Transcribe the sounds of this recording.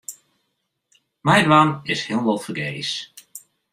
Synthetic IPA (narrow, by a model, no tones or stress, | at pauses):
majdwamɪshɪəlˠʋɑlˠfərɡejs